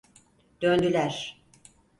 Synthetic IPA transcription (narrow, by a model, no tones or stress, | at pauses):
d̪̥ønd̪ylʲæɾ̥